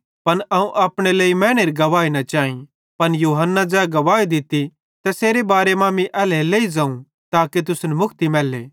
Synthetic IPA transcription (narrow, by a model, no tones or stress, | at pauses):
pɐnɐũʔaːpɽ̃eleːimɛ̃ːɽ̃eːɾɡɐʋaːinɐt͡ʃaːĩ | pɐnjuːɦənːad͡ʒɛːɡɐʋaːid̪ɪt̪i | t̪ɛseːɾebaːɾemaːmiʔɛːleleːizãːũ | t̪aːket̪ʊsnɛmʊkʰt̪imɛːlːḛː